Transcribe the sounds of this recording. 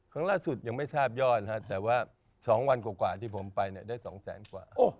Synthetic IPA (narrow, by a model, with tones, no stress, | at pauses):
kʰaː˥˩ŋlaː˥˩su˨˩t̪̚ja˧ŋma˥˩jsaː˥˩p̚jɔː˥˩t̪̚ʰa˦˥t̪ɛː˨˩waː˥˩ | sɔː˩˦ŋwa˧nkwaː˨˩kwaː˨˩t̪ʰiː˥˩pʰo˩˦mpa˧jni˥˩daː˥˩jsɔ̰ː˩˦ŋsɛ̰ː˩˦nkwa̰ː˨˩ʔoː˧˩